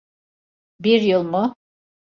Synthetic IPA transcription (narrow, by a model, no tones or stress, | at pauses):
biɾjɯlˠmʊ